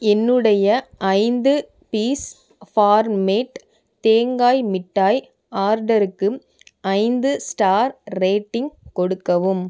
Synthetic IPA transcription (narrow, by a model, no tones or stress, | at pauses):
ɛnːɯɽɐjɐʔɐɪnd̪ɯ | piːs | faːɾmeːʈ | t̪eːŋɡaːjmɪʈːaːj | aːɾɖɐɾɯkːɯ | ʔɐɪnd̪ɯsʈaːɾɾeːʈːɪŋɡkɔɽɯkːɐʋɯm